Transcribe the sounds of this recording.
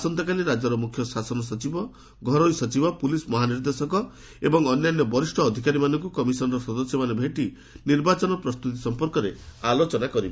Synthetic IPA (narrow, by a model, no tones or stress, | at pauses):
sɔnt̪ɔkaliɾad͡ʒɔɾɔmukʰjɔsasɔnɔsɔt͡ʃibɔ | ɡʱɔɾojsɔt͡ʃibɔpulismɔɦaniɾd̪esɔkɔ | ebɔŋɔnjanjɔbɔɾisʈʰɔːd̪ʱikaɾimanɔŋkukɔmisɔnɾɔsɔd̪ɔsjɔmanebʱeʈi | niɾbat͡ʃɔnɔpɾɔst̪ut̪isɔmpɔɾkɔɾealot͡ʃɔnakɔɾibe